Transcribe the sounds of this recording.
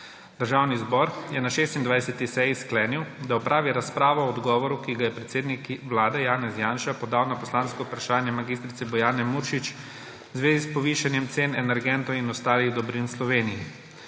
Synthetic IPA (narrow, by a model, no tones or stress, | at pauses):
d̪̥əɾʒaːwnizbɔːɾjɛnaʃeːst̪ind̪ʋajsɛt̪isɛjisklɛːniwd̪aɔpɾʔaːʋiɾaspɾaːʋɔɔd̪ɡɔːʋɔɾukiɡajɛpɾɛt̪seːd̪nikʋlaːd̪ɛjaːnɛzjaːnʃapɔd̪awnapɔslaːnskɔupɾaʃaːnjɛmaɡiːst̪ɾit̪sɛbɔjaːnɛmuɾʃit͡ʃ | wzʋeːzispɔʋiːʃanjɛmt̪seːnɛnɛɾɡɛnt̪ɔwinɔst̪aːliɣd̪ɔbɾinslɔʋeːnijɛ